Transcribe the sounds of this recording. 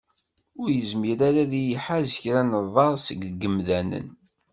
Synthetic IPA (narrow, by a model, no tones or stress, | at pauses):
ʊɾjəzmiɾaɾaðijiħazəçɾænəðˤɑɾˤsəɡɡːəmðænə̰n